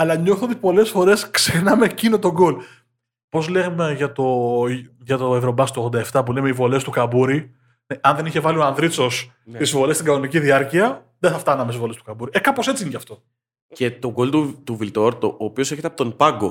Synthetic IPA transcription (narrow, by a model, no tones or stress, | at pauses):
ɐlɐɲo̞θod̪epo̞le̞sfo̞ɾe̞sksexnɐmecino̞t̪o̞ɡo̞l | po̞zle̞ɣmeʝɐt̪o̞ | ʝɐt̪o̞evɾo̞bɐst̪oɣðod̪ɐeft̪ɐpule̞meivo̞le̞st̪ukɐbuɾi | neʔɐnðe̞niçe̞vɐlio̞ɐnðɾit͡so̞s | t̪isvo̞le̞st̪iɡɐnoniciðiɐɾciɐ | ðeθɐft̪ɐnɐmesizvo̞lestukɐbuɾiekɐpose̞t͡siincɐft̪o̞ | ce̞t̪o̞ɡolt̪ut̪uvilt̪o̞ɾt̪oːpio̞seçet̪eɐpot̪onpɐɡo